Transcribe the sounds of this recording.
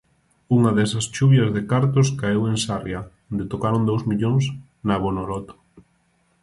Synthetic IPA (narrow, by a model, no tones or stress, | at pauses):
uŋɐðɛsɐst͡ʃuβjɐzðekaɾt̪ʊskaeweŋsarjaond̪et̪okaɾond̪owzmiʎoŋs | naβonolɔt̪o̥